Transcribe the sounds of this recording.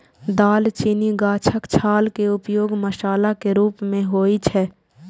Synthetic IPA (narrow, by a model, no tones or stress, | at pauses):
d̪aːlt͡ʃiniɡaːt͡ʃʰəkt͡ʃʰaːlkeʊpjoːɡməʃaːlakeɾuːpmẽɦoːit͡ʃʰɛː